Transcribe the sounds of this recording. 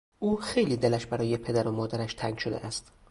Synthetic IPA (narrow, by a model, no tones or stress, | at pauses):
ʔuːxejliːd̪elæʃbæɾɒːjepʰe̞d̪æɾomɒːd̪æɾæʃt̪ʰæŋɡʃod̪ḛʔæst̪